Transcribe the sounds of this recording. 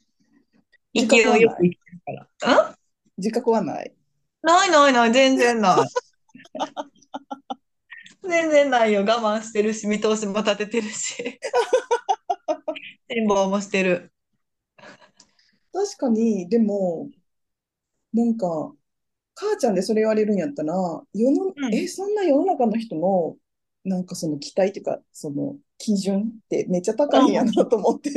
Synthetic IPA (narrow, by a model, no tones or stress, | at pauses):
ikiojokɯ̟ikʲi̥t̪eɾɯkaɾa̰ɯ̟̃ | d͡ʑikakɯβana̰ḭ | nainainaizẽ̞nd͡zẽ̞nːai | d͡zẽ̞nd͡zẽ̞nːaijoɡamãɰ̃ɕi̥t̪e̞ɾɯ̟sɨmʲit̪o̞ːɕimo̞t̪at̪e̞t̪e̞ɾɯ̟ɕi̥ | ɕĩmbo̞ːmo̞ɕi̥t̪e̞ɾɯ̟ | t̪aɕi̥kaɲ̟id̪e̞mo̞ | nãŋka | kaːt͡ɕãnd̪e̞so̞ɾe̞iβaɾe̞ɾɯ̟̃ɲjat̪ːaɾajo̞no̞esõ̞nːajo̞no̞nakanoçi̥t̪o̞no̞ | nãŋkaso̞no̞kʲi̥t̪ait̪eɯka̰so̞no̞̰ | kʲʰiʑɯ̃nt̪ːe̞̰me̞t͡ɕːat̪akaĩjanat̪o̞ːmot̪ːe̞